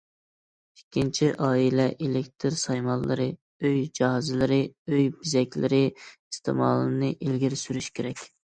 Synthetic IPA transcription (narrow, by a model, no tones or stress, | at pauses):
ikʲʰːint͡ʃʰiʔɑːilɛʔelekʲt̪ʰɨɾsɑjmɑlˠːɨɾɨ | øjd͡ʒɑɦɑzɪlɪɾɪøjbizɛkʲlɪɾɪist̪ʰɪ̰mɑ̰ːlˠɨnɨʔilɡʲiɾsyɾyʃkʲʰeɾɛkʲ